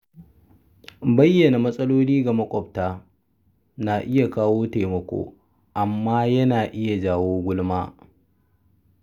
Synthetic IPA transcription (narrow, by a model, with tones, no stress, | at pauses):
bɐ˦jːɐ˨na˨mɐ˦sʼɐ˦loː˦niː˦ɡa˨mɐ˦kʷʼɔ˨b̚taː˦ | na˨ʔɪ˦ja˨kaː˦woː˦teː˨mɐ˨kʷo̰ː˦ | ʔa˨mːaː˦jɐ˦naː˨ʔɪ˦ja˨d͡ʒaː˦˨woː˦ɡʷʊ˦lmaː˦